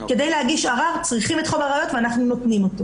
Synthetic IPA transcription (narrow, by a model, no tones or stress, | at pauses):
ke̞dejlehaɡiʃaʁavt͡sʁiχimetχovaʁajo̞tveanaχnuno̞tnimo̞to